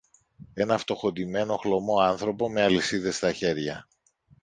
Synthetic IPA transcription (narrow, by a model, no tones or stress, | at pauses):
e̞nɐft̪o̞xo̞d̪ime̞no̞xlo̞mo̞ɐnθɾo̞po̞me̞ɐlisiðe̞st̪ɐçe̞ɾʝɐ